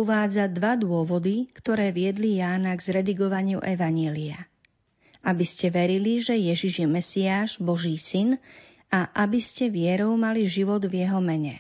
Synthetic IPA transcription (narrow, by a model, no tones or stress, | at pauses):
uʋaːd͡zad̪ʋad̪ʊɔʋɔd̪ikt̪ɔɾɛːʋɪɛd̪lijaːnaɡzɾɛd̪iɡɔʋaɲɪuʔɛʋaɲɪɛːlia | abiscɛʋɛɾiliʒɛjɛʒiʒjɛmɛsiaːʒbɔʒiːsin | aʔabiscɛʋɪɛɾɔʊmaliʒiʋɔd̪vjɛɦɔmɛɲɛ